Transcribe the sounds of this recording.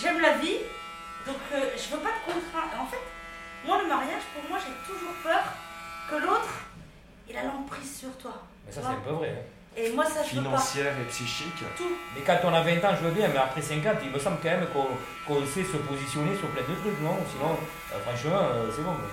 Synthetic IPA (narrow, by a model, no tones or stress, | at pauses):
ʒɛmlavi | d̪ɔ̃kəʒəvøpad̪əkɔ̃t̪χɛ̃ʔɑ̃fɛt̪mwaləmaʁjaʒpuʁmwaʒet̪uʒuʁpœːʁkəlot̪χ | ɛlalɑ̃ɡ̚pχizsyʁt̪wa | mɛsassɛ̃pøvʁɛɛ̃ | emwasaʒəfinɑ̃pasjɛʁepsiʃikt̪umɛkɑ̃t̪ɔ̃navɛ̃t̪ɑ̃ʒəvəbjɛ̃mɛapχɛsɛ̃k̬ãt̪ilməsɑ̃blkɑ̃mɛmkɔ̃ | kɔ̃sɛsəpozisjɔnesyʁplɛ̃d̪ət̪χyknɔ̃suvɑ̰̃ | fʁɑ̃ʃəmɑ̃øseɡɔ̃ɛ